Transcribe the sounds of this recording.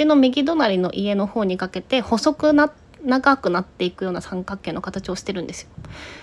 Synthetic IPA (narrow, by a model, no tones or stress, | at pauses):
ino̞mʲiɡʲid̪o̞naɾʲino̞̰ʔie̞no̞ho̞ːɲ̟ikake̞t̪e̞ho̞so̞kɯ̟na | naɡakɯ̟nat̪ːe̞ikɯ̟jo̞ːnasãŋkakːe̞ːno̞kat̪at͡ɕio̞ɕi̥t̪e̞ɾɯ̟nd̪e̞sɨ̥jo̞̥